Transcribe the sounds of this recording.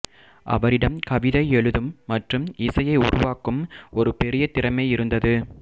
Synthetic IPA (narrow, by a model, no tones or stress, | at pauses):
ʔɐ̰ʋɐɾɪɽɐmkɐʋɪðɐɪɛɭɯðɯmːɐʈrɯmɪsɐjɐɪʊ̰ɾʊʋaːkɯmɔɾɯpɛɾɪjɐt̪ɪɾɐmɐɪɪɾɯnd̪ɐðɯ